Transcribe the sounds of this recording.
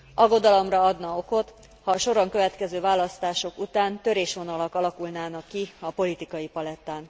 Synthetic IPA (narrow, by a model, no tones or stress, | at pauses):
ʔɒɡːo̞d̪ɒlo̞mrɒɒd̪nɒo̞ko̞t̪ | hɒːʃo̞ɾɒŋkø̞vɛt̪kɛzøːvaːlɒst̪aːʃo̞kut̪aːnt̪ø̞ɾeːʃʋo̞nɒlɒkɒlɒkulnaːnɒkːiɒpo̞lit̪ikɒjipɒlɛt̪ːaːn